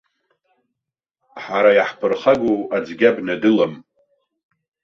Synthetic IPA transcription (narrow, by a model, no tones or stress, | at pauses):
ħaɾajaħpʰɨrχaɡoad͡zɡʲabnadɨlam